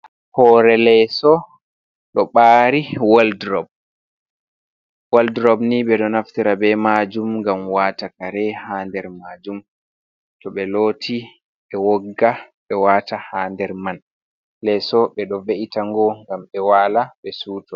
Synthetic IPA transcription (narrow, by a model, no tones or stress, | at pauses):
hɔːɾɛlɛsɔ | ɗɔɓaːɾiwaldɾɔb̚ | waldɾɔbniɓɛɗɔnaftiɾabɛmad͡ʒumŋɡamwatakaɾɛhaːndɛɾmaːd͡ʒum | tɔɓɛloːtʰi | ɓɛwɔɡːa | ɓɛwaːtahaːndɛɾman | lɛsɔɓɛɗɔveʔitaŋɡɔŋɡamɓɛwaːlaɓɛsuːtɔ